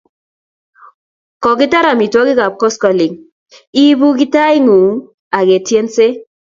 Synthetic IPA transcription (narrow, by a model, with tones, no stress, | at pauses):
kɔ˨kɪ˦ta˦ɾa˨mi˨twɔ˦kɪ˦ka˨p̚kɔ˦skɔ˨lɪ˨ŋ | i˦bu˦k̬ɪ˦ta˦ɪ˦ŋu˨ | a˨ke˨tje˦nse˦